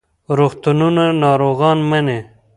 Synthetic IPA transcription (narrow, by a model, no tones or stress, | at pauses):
ɾoxt̪ununanɑːɾoɣɑːnmɐne